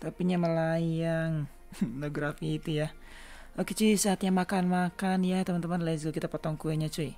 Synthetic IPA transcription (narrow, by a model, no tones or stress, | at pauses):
t̪apiɲaməlajaŋ | noɡɾafiːt̪uja | oket͡ʃisaːt̪̚ɲaŋmakanmakanjat̪əmant̪əmanlasɡokit̪apot̪ɔŋkuɛɲat͡ʃui